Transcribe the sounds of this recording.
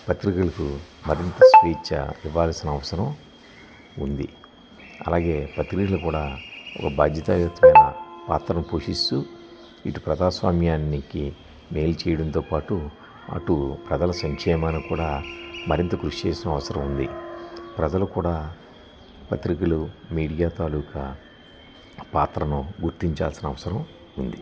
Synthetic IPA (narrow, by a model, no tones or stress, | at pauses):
pɐt̪ɾikulɐkumɐɾint̪ɐspiːt͡ʃːɐ̰iʋːaːlsinɐɐʋɐsɐɾɐm | und̪i | ɐ̰laːɡe̞ːpɐt̪ɾikɐlɐkuːɽaːɔ̰kɐbaːd̪jɐt̪aːjɐt̪ːɐmɐjnɐ̰pa̰ːt̪ɾɐmupoːʂist̪u | iʈupɾɐd̪aːsʋa̰ːmjaːniki | me̞ːlt͡ʃɛːjɐɽɐnt̪oːpaːʈu | ɐ̰ʈupɾɐd͡ʒɐlɐsɐŋkʂɛːmaːnɐkuːɽaːmɐɾint̪ɐkɾuʂt͡ʃeːsinɐʋɐsɐɾɐmund̪ipɾɐd͡ʒɐlukuːɽaː | pɐt̪ɾikɐlumiːɽijaːt̪aːluːkɐ | paːt̪ɾɐnuɡuɾt̪iɲt͡ʃa̰ːlsinɐʋɐsɐɾɐm | und̪i